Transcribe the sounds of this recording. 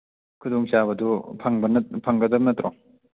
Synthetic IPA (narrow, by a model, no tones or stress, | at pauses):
kʰudoŋsabɐdupʰaŋbɐnɐpʰaŋɡɐdɐbnɐt̪ɾɔŋ